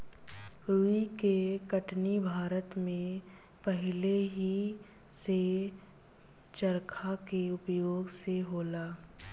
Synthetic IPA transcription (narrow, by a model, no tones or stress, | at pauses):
ɾuikekəʈnibʱaːɾət̪mẽ | pəɦɪleɦi | se | t͡ʃəɾkʰakeʊpjoːɡseɦoːlaː